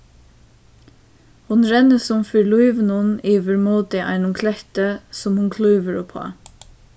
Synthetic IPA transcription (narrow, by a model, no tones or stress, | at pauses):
hʊnɹɛnəsɔmfœɹluɪʋnʊniːʋəɹmuːd̪ɪʔæ̰ɪnʊmkʰlɛçt̪əsɔmhʊnkʰlœːʋəɹʊpʰhɑ̰ː